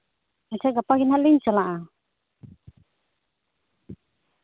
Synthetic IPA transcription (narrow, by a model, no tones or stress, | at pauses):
mat͡ʃaɡapaɡinaliɲt͡ʃalaʔa